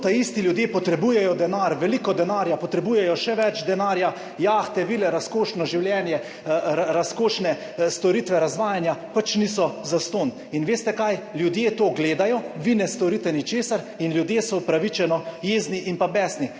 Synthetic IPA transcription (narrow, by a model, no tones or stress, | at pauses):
t̪aist̪ilʲjud̪jeːpɔt̪ɾɛbujɛjɔd̪ɛnaɾʋɛliːkɔd̪ɛnaːɾjapɔt̪ɾɛbuːjɛjɔʃɛʋɛt͡ʃd̪ɛnaːɾja | jaːxt̪ɛʋilɛɾaskoːʃnɔʒiwljɛnjɛ | ɾaskoːʃnɛ | st̪ɔɾiːt̪ʋɛɾazʋaːjanjapat͡ʃniːsɔzast̪oːn | inʋeːst̪ɛkajljud̪jeːt̪oːɡleːd̪ajɔʋinɛst̪ɔɾit̪ɛnit͡ʃeːsaɾ | inlʲjud̪jeːsɔupɾaʋit͡ʃɛnɔjeːzniʔinpabɛːsni